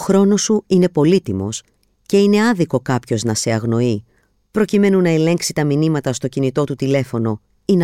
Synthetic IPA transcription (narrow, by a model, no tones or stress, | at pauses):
oxɾo̞no̞suine̞po̞lit̪imo̞s | ce̞ine̞ɐðiko̞kɐpço̞znɐse̞ɐɣno̞i | pɾo̞cime̞nunɐe̞le̞ŋksit̪ɐminimɐt̪ɐst̪o̞cinit̪o̞t̪ut̪ile̞fo̞no̞ | in